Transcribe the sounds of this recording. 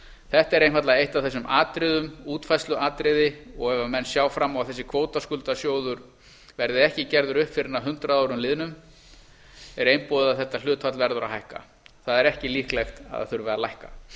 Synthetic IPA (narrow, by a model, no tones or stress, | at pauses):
θɛht̪ɛɾejnfvat̪laejht̪avθɛs̬ːʏmʔaːt̪ɾɪðʏmuːt̪fajslʏaːt̪ɾɪðɪɔɣɛvamɛnːsjaːwfɾamːɔɣavθɛsːɪ̥kʰvoːwt̪askʏlt̪asjoːwðʏɾ | vɛɾðɪɛhcɪcɛɾðʏɾʏhpfɪɾɪɾnaɦʏnt̪ɾaaːwɾʏmlɪːðnʏm | ɛɾejmpoːðɪðaθɛht̪ːal̥ʏːt̪vat̪lvɛɾðʏɾa̰ɦajhka̰ | θaðɛɾɛhcɪlihklɛxt̪a̰ða̰θʏɾvɛɾðalajhka